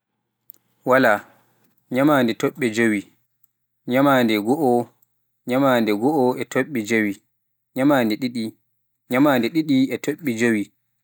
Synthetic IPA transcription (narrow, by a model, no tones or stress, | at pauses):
wala | ɲamandɛtoɓːɛd͡ʒowi | ɲamandɛɡɔʔɔ | ɲamandɛɡɔɔɛtʰoɓːɛd͡ʒowi | ɲamaːndɛɗiɗi | ɲamaːndɛɗiɗiɛtʰoɓːɛd͡ʒowi